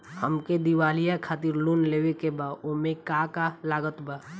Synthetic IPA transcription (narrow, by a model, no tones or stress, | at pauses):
həmked̪iwaːlijakʰaːt̪ɪɾlunleːwekebaomẽkakalaːɡət̪baː